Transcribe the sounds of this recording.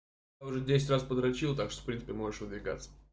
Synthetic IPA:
jaʊʐɛdʲesʲɪtʲraspəd̪ɾɐt͡ɕilˠt̪akʂt̪o̥fpɾʲinə̥pʲɪmo̞ʐɨʂvɨd̪vʲɪɡa̰t̪sːə̥

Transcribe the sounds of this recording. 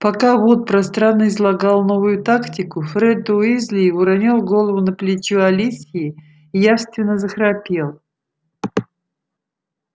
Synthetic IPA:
pakavot̪̚pɾɐst̪ɾanːəɪzlˠɐɡalˠnovʊjʊt̪aktʲɪkʊfɾɛd̪̚oizʲlʲiʊɾɐnʲɔlˠɡolˠəvʊnəplʲɪt͡ɕualʲisʲiɪ | ijafst̪vʲɪnːəzəxɾapʲelˠ

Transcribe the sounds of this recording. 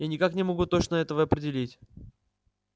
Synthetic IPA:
janʲɪkaknʲɪmɐɡut̪ot͡ɕnəɛt̪əvəɐpɾʲɪdʲɪlʲitʲ

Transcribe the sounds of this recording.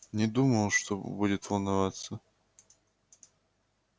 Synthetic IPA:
nʲɪd̪uməlˠʂt̪obudʲɪt̪vəlˠnɐvat̪sə

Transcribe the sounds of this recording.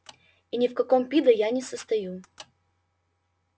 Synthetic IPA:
inʲɪfkɐkompʲid̪əjanʲɪsəst̪ɐju

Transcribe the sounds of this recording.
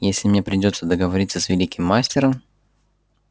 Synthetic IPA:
jesʲlʲɪmnʲepɾʲɪdʲo̞t̪səd̪əɡəvɐɾʲit̪səsʲvʲɪlʲikʲɪmːasʲtʲɪɾəm

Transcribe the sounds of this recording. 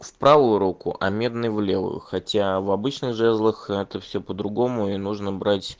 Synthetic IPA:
fpɾavʊjʊɾukʊ̰ʔɐmʲe̞d̪nɨjvlʲe̞vʊ̰jʊ̰xɐtʲavɐbɨt͡ɕnɨxʐɛzlˠəxɛt̪əfsʲɵpəd̪ɾʊɡo̞mʊinuʐnəbɾatʲ

